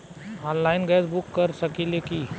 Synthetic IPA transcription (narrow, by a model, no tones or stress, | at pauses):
ãnlaːɪnɡɛsbʊkːɐɾsɐkileki